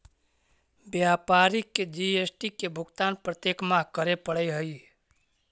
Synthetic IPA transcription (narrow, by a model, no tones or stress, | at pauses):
bjapaɾikːed͡ʒiesʈikebʱʊɡt̪anpɾət̪jekmakəɾepəɽɛɦəj